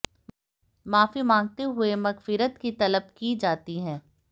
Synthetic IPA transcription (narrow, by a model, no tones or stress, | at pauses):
maːfimãːŋɡ̚t̪eɦʊemɐɣfɪɾət̪kit̪ɐləb̚kid͡ʒaːt̪iɦɛ̃ː